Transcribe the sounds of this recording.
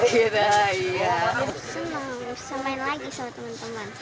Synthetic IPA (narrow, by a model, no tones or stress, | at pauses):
inaijasənəŋmusampaɪnlaɡisamat̪əmant̪əman